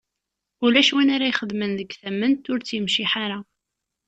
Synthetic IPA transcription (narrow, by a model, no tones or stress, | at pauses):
ʊlæʃwinaɾajχəd̪mənðəɡθæmːənt̪ʊɾt͡sːjəmʃiħaɾa